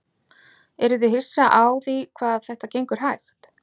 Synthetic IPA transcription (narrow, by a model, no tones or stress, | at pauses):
ɛɾʏðʏɦɪ̥saʔaːwðikʰvaːðθɛht̪acejŋkʏɾ̥ɦajxt̪